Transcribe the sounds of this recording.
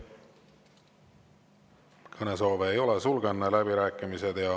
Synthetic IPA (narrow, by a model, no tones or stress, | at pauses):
kʰɤne̞s̬o̞ːveːjo̞lesulɡ̥enːelæbiɾæːkːˑimise̞d̪̥jɑ